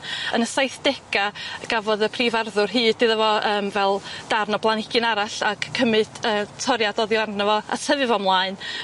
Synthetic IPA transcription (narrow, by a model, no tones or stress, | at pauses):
ə̰nəsajθd̥ɛɡaɡ̥avɔðəpʰriːvarðʊrɦɨːdɪðavɔəːmvɛlˠd̥arnɔblˠanɪɡ̥ɨnaɾaɬaɡ̥kʰːəmɨd̥əːtʰɔɾjadɔðjannəvɔa̰tʰəvɨvɔmlˠaːɨn